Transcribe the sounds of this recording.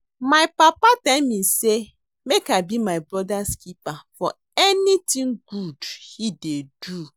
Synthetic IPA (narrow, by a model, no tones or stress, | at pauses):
maɪpapatamise | mekabimaɪbɾɔdaskipafɔ | ɛnitĩŋɡudhidedu